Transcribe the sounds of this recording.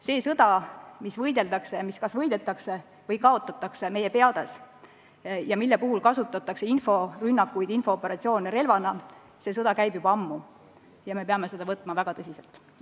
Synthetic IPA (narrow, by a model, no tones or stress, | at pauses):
se̞ːsɤd̪̥ɑmisvɤjd̪e̞ld̪ɑkse̞miskɑsvɤjd̪̥et̪ːˑɑkse | vɤjkɑo̞t̪ːˑɑt̪ːˑɑkseme̞je̞pe̞ɑd̪̥es | jɑmilːepuɦulkɑsut̪ːˑɑt̪ːˑɑkse̞info̞rynːɑkːˑujd̪info̞opːˑe̞ɾɑt̪sio̞ːneɾe̞lvɑnɑ | se̞sɤd̪ɑkæjbjubɑɑmːu | jɑme̞peɑme̞se̞d̪ɑvɤt̪ːˑmɑvæɡ̥ɑt̪ɤsiselt̪ˑ